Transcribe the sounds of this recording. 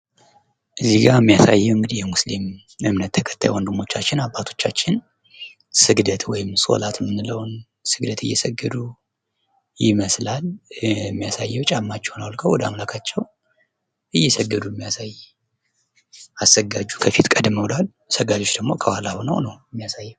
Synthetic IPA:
ʔɨzːiɡamːijasa̰jːɛwɨŋɡɨd̪ihjɛmuslim | ɨmnət̪ːʰəkʰə̥t̪ʰːajwɔnd̪ɨmːo̞t͡ʃːat͡ʃːɪnabːat̪ʰo̞̥t͡ʃːat͡ʃːɪn | sɨɡd̪ət̪ʰwɔjɪmso̞̰lat̪mɨnːɨləwn | sɨɡd̪ət̪ʰɨjːɛsəɡːɨd̪u | jɪməslalmːijasajːɛwt͡ʃʼamːat͡ʃːɛwnawlkʰəwɔd̪əamlakʰat͡ʃːɛw | ʔɨjːɛsəɡːəd̪umːijasaj | asəɡad͡ʒːukʰəfit̪kʼəd̪məwlal | səɡad͡ʒo̞t͡ʃːd̪əɡmo̞kʰəwalaβunə̰wnəwmːijasajːɛw

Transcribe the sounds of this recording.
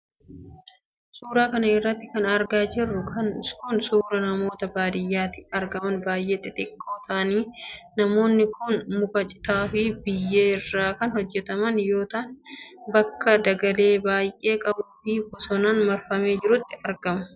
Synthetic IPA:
suːɾaːkɐnɐɪrːɐt̪ːɪ̥kɐnɐɾɡaːd͡ʒɪrːʊkʰɐnkʊnsuːɾɐnɐmo̞ːt̪ɐbaːd̪ɪjːaːt̪ɪ̥ɐɾɡɐmɐnbaːjʔeːt̪ʼɪt̪ʼɪkʼːo̞ːt̪ʰɐʔɐniːnɐmo̞ːnːɪkʰʊnmʊkʼɐt͡ʃʼɪ̥t̪aːfɪbɪjːeːɪrːaːkɐnhɔd͡ʒːɛt̪ɐmɐnjo̞ːt̪aːnbɐkːɐd̪ɐɡɐle̞ːbaːjʔeːkʼɐbuːfɪbɔsɔnaːnmɐɾfɐme̞ːd͡ʒɪɾʊt̪ːɪɐɾɡɐmɐ̥

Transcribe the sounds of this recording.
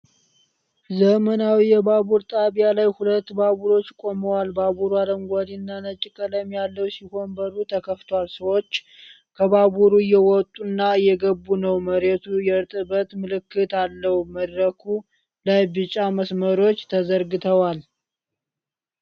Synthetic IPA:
zəmənawijɛbaβuɾt̪ʼaβijalajhulət̪ːbaβuɾo̞t͡ʃːkʼo̞məwalbaβuɾualəmɡʷad̪inːanət͡ʃʼːɪkʼələmjalːəwsiho̞nbəɾut̪ʰəkʰəft̪ʰwalsəwot͡ʃː | kʰəβaβuɾujɛwɔt̪ʼːunːaɨjːɛɡəbːunəwməɾet̪ʰujɛɾt̪ʼɨbət̪mɨlɨkːɨt̪alːəhuməd̪ɾəkʰu | lajbɨt͡ʃʼaməsməɾo̞t͡ʃːt̪ʰəzəɾɡɨt̪ʰəwal

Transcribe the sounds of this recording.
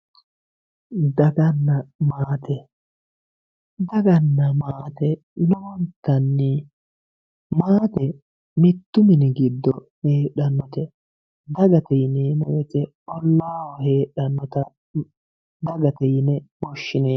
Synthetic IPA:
d̪ɐɡɐnːɐmaːt̪ɛ | d̪ɐɡɐnːɐmaːt̪ɛ | nʊwɔnt̪ːɐnːɪ | maːt̪ɛ | mɪt̪ːʊmɪnɪɡɪd̪ːɔ | heːᶑɐnːɔt̪ɛ | d̪ɐɡɐt̪ɛjneːmɔwɛtɛ | ɔlːaːwɔheːɗɐnːɔt̪ɐ | d̪ɐɡɐt̪ɛjnɛbɔʃːɪneː

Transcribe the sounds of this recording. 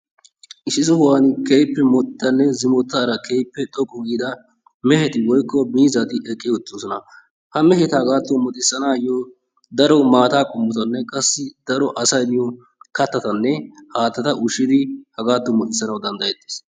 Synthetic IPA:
ʔɪsɪsʊhʊwaːnɪkejpːɛmɔt̪t̪ːɐnːɛzɪmɔt̪ːɐːɾɐkʰejpːɛt̪ʼɔkʼːɔɡid̪ɐ | mɛhɛt̪ɪwɔjkːɔmiːzɐt̪ɪʔɛkʼːɪjʊt̪ːʊnsɔnɐ̰ | hɐmɛhɛt̪hɐɡaːt̪ːɔmɔt̪ʼɪsːɐnaːjɔ | d̪ɐɾɔmaːt̪aːkʼʊmːʊt̪ɐnːɛkʼɐsːɪd̪̥ɐɾɔʔɐsɐjd̪ɪjɔ | kɐt̪ːɐt̪ɐnːɛhaːt̪ːɐt̪ɐʔʊʃɪd̪ɪhɐɡaːt̪ːɔmɔt̪ʼɪsːɐnɐwd̪ɐnd̪ɐjɛt̪ːe̥ːs

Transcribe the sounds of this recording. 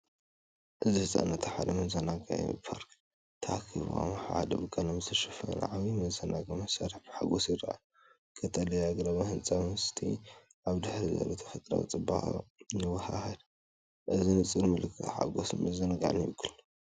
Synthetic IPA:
ʔɨzihɨsʼa̰nɐt̪ʰħad̪ɐmɐzɐnaɡɐ̰pʰaɾk | t̪ʰɐakʰːiβṵa̰mħa̰hd̪ɐbɨkʼːalɐmzt̪ʰɐʃɨfɐn̰ʕaβimɐzɐnaɡɐmɐsaɾɐħbħaɡosjɪɾɐʔa̰ | kʰɐt̪ʰalɐjaɡɾaβahɨnt͡sʼamhst̪ʰi | ʔaβd̪ɨħɾizɐ̰lut̪ʰɐ̥fɐt̪ʼɾa̰wt͡sʼɨbaxnɨwɐhahɐd̪ | ʔɨzinɨt͡sʼɨlmɨlɨkʰːɨħa̰ɡosmɐzɐnɐɡa̰ʕnjɪkʰːɨlː

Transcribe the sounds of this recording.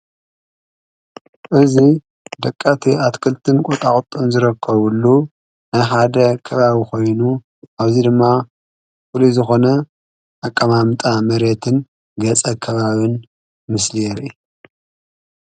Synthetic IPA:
ʔɨzi | d̪ɐkʼːat̪ʰiat̪kʰɨlt̪ʰɨnkʼut̪ʼakʼt̪ʼːɨnzɨɾɐkʰːɐβulːu | najħad̪ɐkʰɐβaβikʰo̞jnu | ʔaβzid̪ɨmːa | fulizɨxo̞nɐ | ʔakʼːɐmamt̪ʼamɐɾe̞t̪ʰɨn | ɡɐt͡sʼɐkʰɐβaβɨn | mɨslijɛɾi

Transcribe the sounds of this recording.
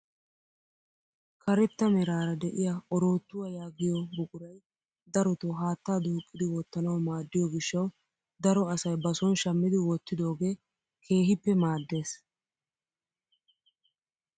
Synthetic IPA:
kɐɾɛt̪ːɐmɛɾaːɾɐd̪ɛʔɪjaʔɔɾo̞ːt̪ːʊwɐjaːɡɪjɔbʊkʼʊɾɐj | d̪ɐɾɔt̪ɔɦaːt̪ːaːd̪uːkʼːɪd̪ɪwɔt̪ːɐnɐwmaːd̪ːɪjɔɡɪʃːɐw | d̪ɐɾɔɐsɐjbɐsɔnʃɐmːɪd̪ɪwɔt̪ːɪd̪o̞ːɡe̞ː | kʰe̞ːɦɪpːɛmaːd̪ːe̞ːs

